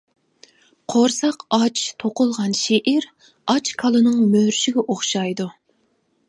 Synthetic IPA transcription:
qʰoɾsɑqɑt͡ʃʰt̪ʰoqʊlˠʁɑnʃeʔiɾ | ɑt͡ʃkʰɑlˠɨnɨŋmøɾʃiɡʲɛʔoχʃɑjd̪u

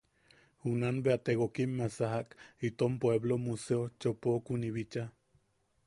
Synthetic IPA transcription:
hunanbeat̪eɣokimːasaɦaʔkit̪ompweβlomuseot͡ʃopokuniβit͡ʃa

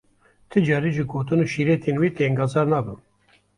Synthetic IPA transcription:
t̪ʰɨd͡ʒɑːɾiʒiɡoːt̪ɨnuːʃiːɾeːt̪ʰeːnweːt̪eŋɡɑːzɑːɾnɑːbɨm

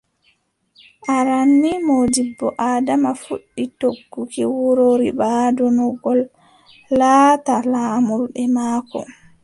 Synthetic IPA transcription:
ʔaɾanːimoːd͡ʒibːɔʔaːdamafuɗːitoɡːukiwuɾoɾibaːdɔnɔɡɔlː | aːtalaːmuɾɗɛmaːkɔ̰

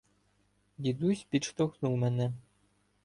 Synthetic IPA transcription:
d̪ʲid̪usʲpʲit͡ʃt̪oxnumɛnɛ

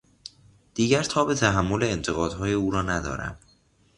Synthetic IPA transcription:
d̪̥iːɟæɾt̪ʰɒːbe̞t̪ʰæɦæmːo̞le̞ːnt̪ʰeɣɒːd̪̥hɒːje̞uːɾɒːnæd̪ɒ̰ːɾæ̰m

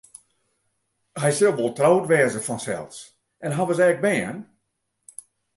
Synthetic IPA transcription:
hɛjsɪlˠʋolˠtrowtʋɛəzəfɔnsɛ̰lˠs | ʔɛnɦaʋəsɛːɡ̚bɛən

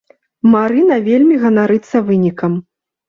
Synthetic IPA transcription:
maɾɨnɐvʲelʲmʲiɣɐnaɾɨt̪sːɐvɨnʲikɐm

